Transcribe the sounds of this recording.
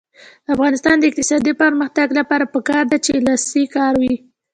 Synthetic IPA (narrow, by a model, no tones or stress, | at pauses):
afɣɑnɪst̪ɑnd̪əɪqt̪ɪsɑd̪ipəɾməxt̪aɡlapɑɾapəkɑɾd̪at͡ʃelasikɑɾwi